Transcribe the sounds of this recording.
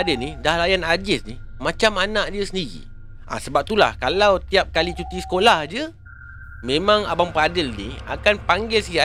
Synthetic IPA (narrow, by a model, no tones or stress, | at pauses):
dɪnidahlajanad͡ʒɪsnimãt͡ʃamanaʔdiəsəndiɾḭ | ʔa̰səbap̚t̪ula̰hkalawt̪iap̚kalit͡ʃut̪isə̥kolahd͡ʒə | mẽmãŋa̰baŋpəadɪlnḭa̰kanpaŋɡɪlsia